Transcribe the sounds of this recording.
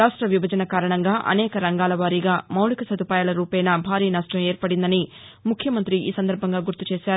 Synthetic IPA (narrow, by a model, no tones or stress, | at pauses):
aːʂʈɾɐʋibʱɐd͡ʒɐnɐkaːɾɐɳɐŋɡaːʔɐ̰nɛːkɐɾɐŋɡaːlɐʋaːɾiɡaːmɐwlikɐsɐd̪upaːjaːlɐɾuːpɐjnɐbʱaːɾiːnɐʂʈɐmeːɾpɐɽind̪ɐni | mukʰjɐmɐnt̪ɾiḭːsɐnd̪ɐɾbʱɐŋɡaːɡuɾt̪ut͡ʃeːʃaːɾu